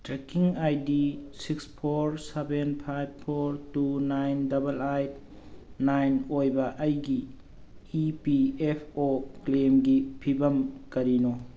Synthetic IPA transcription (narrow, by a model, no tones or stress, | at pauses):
tɾekiŋajdisikspʰoɾsebenpʰajb̚pʰoɾtunajndɐbɐlajt | najnojbɐʔɐjɡiː | piepʰoklemɡipʰibɐmkɐɾino